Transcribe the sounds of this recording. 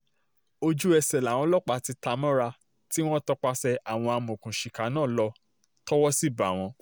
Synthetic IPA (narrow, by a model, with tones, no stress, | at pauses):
o˧d͡ʒu˦ɛ˧sɛ˨la˨w̃ɔ̃˧˦lɔ˦˨k͡pa˧˨ti˧ta˧mɔ̃˦ɾa˧ | ti˦w̃ɔ̃˦tɔ˦k͡pa˧sɛ˧a˨w̃ɔ̃˧a˧mõ˨kũ˨ʃi˨ka˨˦nãː˦˨lɔ˧ | tɔ˦wɔ˦si˦˨ba˨w̃ɔ̃˧